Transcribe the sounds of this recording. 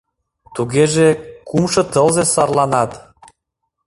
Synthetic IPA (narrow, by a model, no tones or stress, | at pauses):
t̪uɣeʒekumʃɤ̆t̪əlzesɑrlɑnɑt̪